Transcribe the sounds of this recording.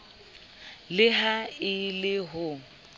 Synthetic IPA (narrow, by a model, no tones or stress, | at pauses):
lɪɦaɪlɪɦʊ